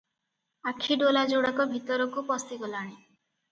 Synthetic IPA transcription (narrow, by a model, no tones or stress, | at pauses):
akʰiɖolad͡ʒoɽakɔbʱit̪ɔɾɔkupɔst̪iɡɔlaɽ̃i